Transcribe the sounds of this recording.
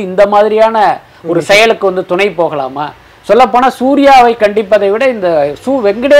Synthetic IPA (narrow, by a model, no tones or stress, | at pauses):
ɪnd̪ɐmaːðɪɾɪjaːnɐ | ɔɾɯsɛjɐɭɯkːɯʋɐnd̪ɯt̪ʊɳɐɪpoːɣɐla̰ːma̰ː | sɔlːɐpːoːnaːsuːɾɪjaːʋɐɪkɐɳɖɪpːɐðɐɪʋɪɽɐɪnd̪ɐsuːʋɛŋɡɪɽe